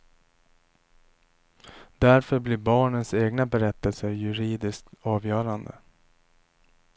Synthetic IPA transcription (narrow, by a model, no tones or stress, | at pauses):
d̪æɾfœɾblɪɾbɑːɳənseːɡnabɛɾɛt̪ːəlsəɾjɵɾiːd̪ɪskt̪ɑːvjœːɾand̪ə̰